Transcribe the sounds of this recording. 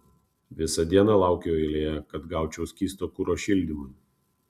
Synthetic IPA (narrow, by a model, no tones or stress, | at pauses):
ʋʲɪsɐd̪ʲiɛnɑlˠɑˑʊkʲejoːɛlʲeːjɛkɐt̪ɡɑˑʊt͡ʃʲɛʊsʲkʲiːst̪oːkuɾoːʃʲɪlʲd̪ʲimʊɪ